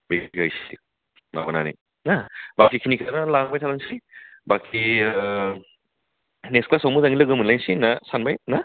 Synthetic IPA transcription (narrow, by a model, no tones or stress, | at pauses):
biɡɡajsi | ma̰ɡɔna̰nḭ | nabakʰːikʰinikʰanalaŋbajtʰalaŋsibakʰːi | neksklasawmuzaŋilɯɡɯmunlajnsinɐsanbajna